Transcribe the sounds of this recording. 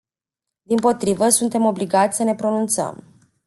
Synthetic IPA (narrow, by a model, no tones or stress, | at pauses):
d̪impo̞t̪ɾivəsunt̪e̞mo̞bliɡat̪sʲsəne̞pɾo̞nunt̪sə̰m